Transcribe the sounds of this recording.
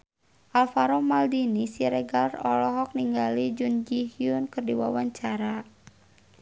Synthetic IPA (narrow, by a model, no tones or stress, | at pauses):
ʔalfaɾɔmaldinisiɾɛɡalrɔlɔɦɔk̚niŋɡalid͡ʒund͡ʒihiunkɨrdiwa̰waɲt͡ʃaɾa